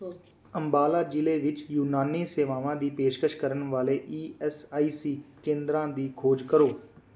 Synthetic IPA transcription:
əmbaːlaːd͡ʒɪleːʋɪt͡ʃjuːnaːniːseːʋaːʋãːd̪iːpeːʃkəʃkəɾənʋaːleːʔiːɛːsaːiːsiːkẽːnd̪ɾãːd̪iːkʰoːd͡ʒkəɾoː

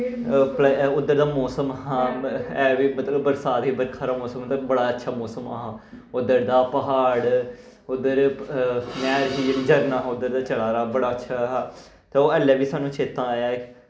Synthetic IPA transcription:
pʊd̪ːəɾd̪aːmɔːsəmɦãːɛːʋiːmət̪ləbːəɾsaːt̪ɦiːbəɾkʰaːɾaːmɔːsəmːət̪əbəɽaːətːʃʰaːmɔːsəmaɦãː | ʊd̪əɾd̪aːpəɦaːɽ | ʊd̪ːəɾ | mɛːɾɦiːeid͡ʒəɾnaːɦʊd̪əɾd̪aːt͡ʃəlaːɾaːbəɽaːətːʃʰaːɦaː | t̪eːoːɛːlːɛːʋiːsaːnːũːt͡ʃʰeːt̪ːãːaːjaːɪk

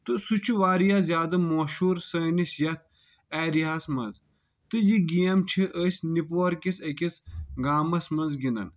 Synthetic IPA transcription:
t̪ɨsut͡ʃʰuʋaːɾijazʲjaːd̪ɐmoːʃuːɾsɐːnisjɐt̪ʰ | ɛːɾiɦɐsmɐ̰nz | t̪ɨjiɡijɐmt͡ʃʰiʔəsʲnipoːɾkisɐkisɡaːmɐsmɐnzɡĩnd̪ɐ̰n

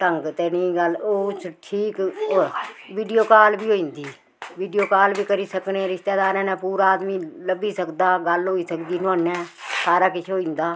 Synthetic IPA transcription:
ʈəŋɡt̪eːnĩːɡəloːt͡ʃʈʰiːkoʋiːɖijoːkaːlbiːoːĩːnd̪iː | ʋiːɖijoːkaːlbiːkəɾiːsəknẽɾɪʃt̪eːd̪aːɾɛ̃ːnɛ̃ːpuːɾaːd̪mĩːləbiːsəkd̪aːɡəlɦoːiːsəkd̪iːnʊə̃nːɛ̃ːsaːɾaːkɪt͡ʃʰoːĩːnd̪aː

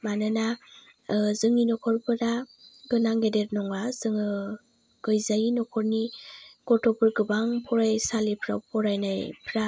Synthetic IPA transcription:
manɯna | zɯŋinɔkʰɔɾpʰɯɾaɡɯnaŋɡedeɾnɔŋaz̥ɯŋɯ | ɡ̥ɯjzajinɔkʰɔɾniɡ̥ɔtʰɔpʰɯɾɡɯbaŋpʰɔɾajsalipʰɾa̰pʰɔɾajnajpʰɾa

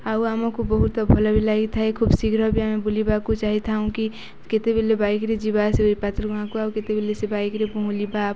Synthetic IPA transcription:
auamãkubəɦut̪abʱɔlabilaɡit̪ʰaɛkʰubsikɾəbiamẽbulibakut͡ʃaɦit̪ʰaũki | ket̪ebʱilebaikɾed͡ʒibaseoipat̪ɾəəɦãkoauket̪ebilesebaikɾebõɦulibap

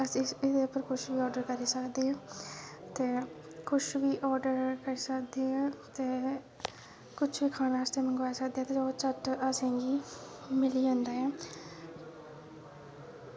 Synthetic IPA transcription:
əsiɪd̪eːʊpːəɾkʰʊʃʋiːɔːɾɖəɾkəɾiːsəkd̪eːɦãːt̪eː | kʰʊʃʋiːʔɔːɾɖəɾkəɾiːsəkd̪eːɦãːt̪eː | kʊt͡ʃʰʋiːkʰaːnaːəst̪eːmɛ̃ːɡoaesəkd̪eːaːt̪eoːt͡ʃəʈəsãːɡiː | mɪliːãːnd̪aːɛ̃ː

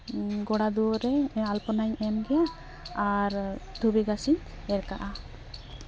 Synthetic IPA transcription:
ɡɔɽad̪uɔɾɛalpɔnajɛmɡɛja | aɾt̪ʰubiɡasiɲ | ɛɾkaʔa

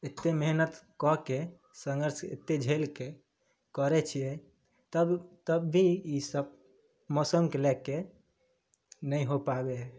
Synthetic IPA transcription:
et̪ːemeɦnət̪kɔke | sə̃ŋɡəɾsḛt̪ːed͡ʒʱelke | kəɾɛt͡ʃʰijɛ | t̪əbt̪əbːʱiisəb̚ | mosəmkelɛkːe | nəiɦopabe

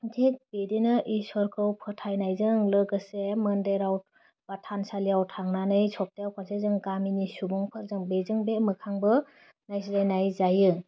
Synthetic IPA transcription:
ntʰek̚b̥edinɯʔisɔɾkʰɯwpʰɯtʰajnajzɯŋlɯɡɯseməndeɾawt̚ | b̥atʰansaliawtʰaŋnanɯjsɔp̚tejawpʰansezɯŋɡaminisubɔŋpʰɯɾzɯŋbezɯŋbemɯkʰaŋbɯ | najsilajnajzajɯ

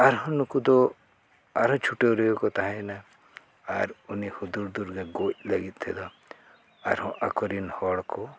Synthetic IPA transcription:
aɾɦɔ̃nukud̪ɔ | aɾɦɔ̃t͡ʃʰuʈewɾejɔkɔt̪aɦãjna | aɾunihud̪uɾd̪uɾɡeɡoc̚laɡit̪̚ˀt̪ʰɛd̪ɔ | a̰ɾhɔ̃ʔakɔɾinhɔɽkɔ

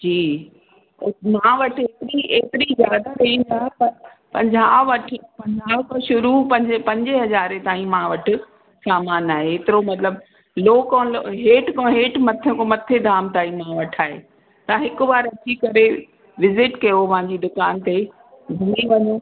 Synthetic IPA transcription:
d͡ʑiː | mãːʋɐʈʰet̪ɪɾieːt̪ɪɾizjaːd̪aɾɐĩːnd̪aːɦpɐɾ | pɐ̃ɲd͡ʑaːʋɐʈʰpɐ̃ɲd͡ʑʱaːʋkoʃʊɾupɐ̃ɲpɐ̃ɲd͡ʑɪɦɐzaːɾet̪aːĩmãʋɐʈʰʊ̆ | saːmaːnaːɦeeːt̪ɪɾomɐt̪ləb | loːkõloɦeːʈkõːɦeːʈmɐt̪ʰẽkomɐt̪ʰed̪ʱaːmt̪aːĩmãʋɐʈʰaːɦḛ | t̪ɐãɦɪkʊ̆baːɾɐt͡ɕikɐɾe | ʋɪzɪʈkɐjopɐ̃ãɲd͡ʑid̪ʊkaːnt̪e | ɡʱɐmiʋɐɲo

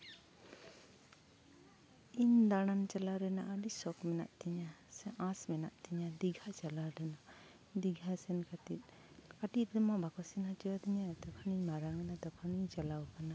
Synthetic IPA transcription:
ind̪aɽant͡ʃalaɾɛnaʔːɖisɔkmɛna̰ʔt̪iɲasɛʔãsmɛnaʔt̪iɲad̪iɡʱat͡ʃalaɾɛna | d̪iɡʱasɛnkat̪it̪̚ˀ | kaʈit̪̚d̪ɛmɔbakɔsinhat͡ʃiwat̪iɲat̪ɔkʰaniɲmaɾaŋmɛnad̪ɔkʰaniɲt͡ʃalawkana

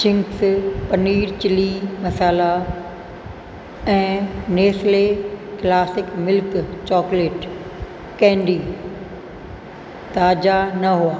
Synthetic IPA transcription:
t͡ʃɪ̃ŋkspɐniːɾt͡ɕɪlimɐsaːla | ɛ̃ːneːsleklaːsɪkmɪlkt͡ɕɔːkleːʈ | kɛ̃ːɳɖiː | t̪aːd͡ʑanɐɦuaː

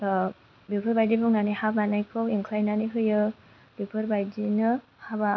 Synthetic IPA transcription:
bipʰɯɾbajdibɯŋnanihabanajkʰɯwiŋkʰlajnanikʰɯjɯ | bipʰɯɾbajdinɯ | haba

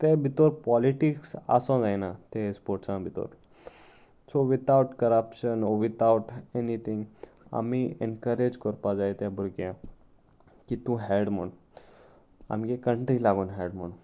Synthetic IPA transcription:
t̪ebʱit̪oɾpɔliʈiksa̰sɔ̃d͡zajnat̪espoɾʈsãbʱit̪o̰ɾ | soʋit̪awʈkəɾəpʃənɔʋit̪ʰawʈenit̪ʰĩŋɡ | a̰miḛnkəɾed͡ʑkəɾpad͡zajt̪jãbʱuɾɡjã | kit̪ũɦɛɽmə̰ɳ | a̰mɡekəɳʈilaɡuːnɦɛɽməɳ

